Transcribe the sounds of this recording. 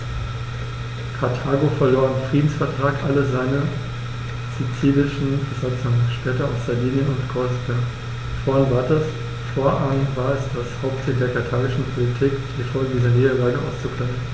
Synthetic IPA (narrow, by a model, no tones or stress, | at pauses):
kʰaɐtʰaːɡofɛɐloːɐɪnfʁ̥iːdn̩sfɛɐtʁ̥aːkʔaləzaɪnə | z̥it͡siːlɪʃn̩bəzat͡sʊŋʃpɛːtɐaʊsz̥aɐviːnjənʊntɡ̥ʁɔsbɛɐ | fɔɐnvaːɐtɐs | foːɐʔanvaːɐɛsd̥ashaʊp̚tt͡siːld̥eːɐkʰaɐtʰaːɡɪʃn̩pʰolitʰiːkd̥iːfɔlɡədiːzəneːəlaːɡəʔa̰ʊst͡sufʁ̥ɛmən̩